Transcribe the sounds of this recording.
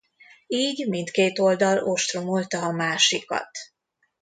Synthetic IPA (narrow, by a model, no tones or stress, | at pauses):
iːɟmint̪keːt̪o̞ld̪ɒlo̞ʃt̪ro̞mo̞lt̪ɒɒmaːʃikɒ̰t̪